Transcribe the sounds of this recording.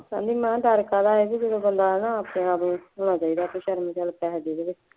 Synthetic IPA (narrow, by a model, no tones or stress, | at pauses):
sã̰ːnd̪iːmɛ̃ːd̪əɾkaːd̪aːɛːkiːd͡ʒəd̪õːbənd̪aːɦɛːnãːaːpnẽːaːpnũːɦoːɽ̃aːt͡ʃaːiːd̪aːpẽːʃəɾmt͡ʃalpɛːɦd̪eːd̪eːʋɪt͡ʃ